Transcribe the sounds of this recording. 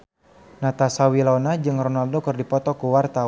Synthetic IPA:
nat̪asawilɔnad͡ʒɨŋrɔnaldokɨrdipɔt̪ɔkuwart̪a

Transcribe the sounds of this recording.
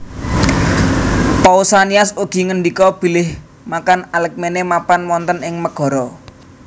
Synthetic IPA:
pɔusaniasuɡ̥i̤ŋəɳɖikɔb̥i̤lɪh | makanalɛk̚menemapanmɔnt̪ənɪŋməɡ̥ɔ̤ɾɔ

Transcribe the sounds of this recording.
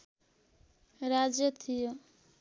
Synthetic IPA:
ɾad͡ʒjʌt̪ʰijo

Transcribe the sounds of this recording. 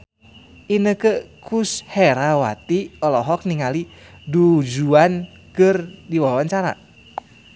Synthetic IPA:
ʔinəkəkʰusheɾawa̰t̪iɔlɔɦɔk̚niŋali | dud͡ʒuan | kɨrdiwawaɲt͡ʃaɾa̰

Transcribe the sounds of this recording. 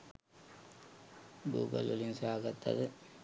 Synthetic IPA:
ɡṵːɡɐ̰lulinsaːɡɐt̪ːɐ̰ðɨ

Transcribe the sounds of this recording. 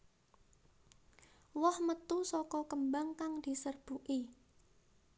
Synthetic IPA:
wɔhmət̪usɔkɔkəmbaŋkaŋd̪̥i̤sərb̥uʔi

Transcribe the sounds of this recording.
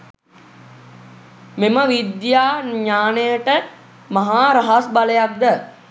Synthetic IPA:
meməʋid̪jaːɲaːnejəʈə | maɦaːɾaɦasbaləjak̚d̪ə

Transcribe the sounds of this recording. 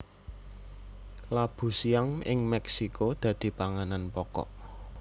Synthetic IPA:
lab̥ṳsiaŋɪŋmɛksikʰod̪̥ä̤d̪̥i̤paŋananpɔkɔ̰ʔ

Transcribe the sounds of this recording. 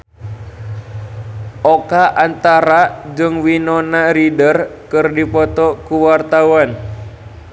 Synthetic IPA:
ʔɔkaʔant̪aɾad͡ʒɨŋwinɔnaɾidərkɨrdipɔt̪ɔkuwart̪awan

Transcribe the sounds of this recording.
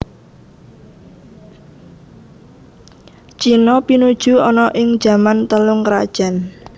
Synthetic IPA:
t͡ʃinɔpinud̥ʒ̥ṳɔnɔʔɪŋ̥d͡ʒ̥a̤mant̪əlʊŋkɾa̰d̥ʒ̥a̤n

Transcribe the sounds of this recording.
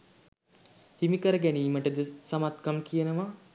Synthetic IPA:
himikəɾəɡæniːməʈəd̪əsamat̪kamkijənəʋa

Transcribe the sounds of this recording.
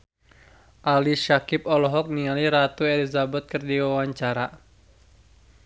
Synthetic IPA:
ʔaliʃakɪp̚ɔlɔɦɔk̚nialiɾat̪uɛlizabat̪̚kərdiwawaɲt͡ʃaɾa

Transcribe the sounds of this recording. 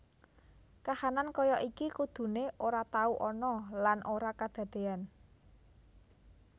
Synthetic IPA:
kahanankɔjɔʔikikud̪̥ṳneʔoɾat̪auʔɔnɔlanʔoɾakad̪̥a̤d̪̥e̤an

